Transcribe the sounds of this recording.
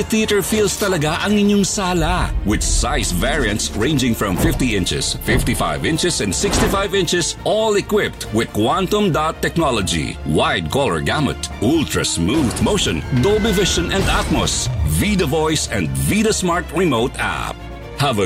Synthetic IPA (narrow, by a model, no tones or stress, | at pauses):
θit̪ɛɹfild̪st̪ɐlɐɡaʔɐŋɪɲjʊŋsaːlawɪd̪̚sajsvɛɹiɐ̃nt̪sɹẽɪ̃nd͡ʒɪ̃ŋfɹɔ̃mfɪft̪iɪ̃nt͡ʃɪ̰sfɪft̪ifa̰jvɪ̃nt͡ʃɪsɛ̃nd̪sɪkst̪ifajvɪ̃nt͡ʃɪsʔɔlɛkwɪp̚t̪wɪd̪̚kwãnt̪ɔ̃md̪at̪ːɛk̚nɔlɔd͡ʒḭwajd̪̚kɔlɛɹɡamɛ̰t̪ʔult̪ɹɐ̰smuðmoʊʃɔ̃nd̪obɪvɪʃɔ̃nɛ̃nd̪at̪̚mo̰svid̪ɐvɔjsɛ̃nd̪vid̪ɐsmaɹt̪ɹɪmoʊt̪a̰p̚ | hɐvɐ